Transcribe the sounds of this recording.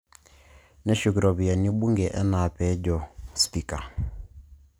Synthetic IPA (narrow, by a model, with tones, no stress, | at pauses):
nɛ˦ʃu˨ki˨ɾɔ˨βi˨a˨ni˦ɓu˦ŋɡɛ˨ʔɛ˦na˨pɛ˨˦d͡ʒɔ˨spi˨ka˨